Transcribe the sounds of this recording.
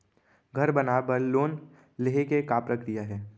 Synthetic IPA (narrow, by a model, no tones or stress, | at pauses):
ɡʱɐɾbɐnabəɾloːn | leɦekekapɾəkɾijaɦɛː